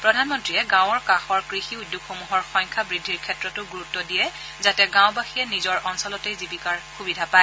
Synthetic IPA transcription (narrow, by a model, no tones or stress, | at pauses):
pɹɔdʱanmɔntɹiɛɡãwɔɹkaxɔɹkɹixiudʱːukxomuɦɔɹxɔjŋkʰabɹidʱːiɹkʰɛtɹɔtʊɡuɹutːɔdijɛ | zatɛɡãw̃baxijɛnizɔɹʔɔnsɔlɔtejzibikaɹxubidʱapaɛ